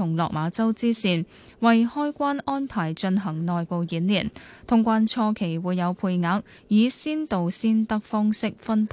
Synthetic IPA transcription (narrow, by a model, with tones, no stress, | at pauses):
ʊ˨˩ŋlɔ̰ː˨k̚maː˨˧˥t͡sɐ˥wt͡siː˥siː˨˩n | wɐ˨jhɔː˥jkʷaː˥nʔɔː˥npʰaː˨˩jt͡ʃɵ˧nɦɐ˨˩ŋnɔː˨jpo˨wjiː˨˥nliː˨˩nt̪ʰʊ˨˩ŋkʷaː˨˧nt͡ʃʰɔː˧kʰe˨˩jwuː˨˧jɐ˨˧wpʰuː˧jŋaː˨˥k̚ | jiː˨˧siː˥nt̪o˨wsiː˥nt̪ɐ˥k̚fɔː˥ŋsɪ˥k̚fɐ˥npʰ